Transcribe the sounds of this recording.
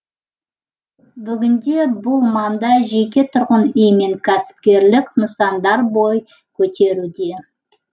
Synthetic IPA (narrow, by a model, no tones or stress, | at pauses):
bʏɡʲɪnd̪e̞bʊlˠmɑnd̪ɑʒe̞k̬ʲe̞t̪ʰʊɾʁənejme̞ŋkʲʰæsɪ̥p̚kʲe̞ɾlɪknəsɑnd̪ɑɾbo̞j | kʲʰɵt̪ʰe̞ɾud̪e̞